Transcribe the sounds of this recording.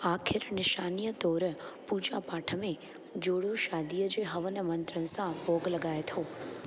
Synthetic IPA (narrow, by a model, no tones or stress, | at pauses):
akʰɪɾnɪʃanijəd̪ɔɾpud͡ʒapaʈʰəme | d͡ʒoɽũʃad̪ijəd͡ʒeɦəʋənemənt̪ɾənsãbʱoɡləɡajt̪ʰo